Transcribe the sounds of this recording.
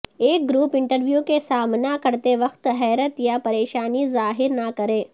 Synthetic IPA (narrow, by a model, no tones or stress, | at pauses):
eːk̚ɡɾuːpɪ̃ɳʈəɾʋjukesaːmnakɐɾt̪eʋɐxt̪ɦɛːɾət̪japɐɾeːʃaːnizaːɦɪɾnakɐɾeː